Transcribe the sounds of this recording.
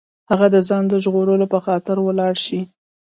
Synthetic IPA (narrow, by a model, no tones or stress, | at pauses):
haɣad̪əzɑnd̪əʒɣoɾəlopəxɑt̪ɪɾwəlɑɽʃi